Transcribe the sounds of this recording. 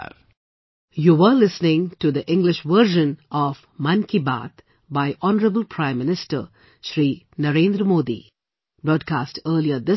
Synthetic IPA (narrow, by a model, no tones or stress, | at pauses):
juːʋəlɪsnɪ̃ŋʈud̪əʔɪ̃ŋɡlɪʃʋəɾʒə̃nɔv | mãnkiba̰ːt̪ | baɪʔɔnəɾəbəlpʰɾãɪ̃mːɪnɪsʈə̰ɾ | ʃɾiː | nəɾẽːnd̪ɾəmoːd̪ḭ | b̥ɾɔːd̚kaːsʈəːliəd̪ɪ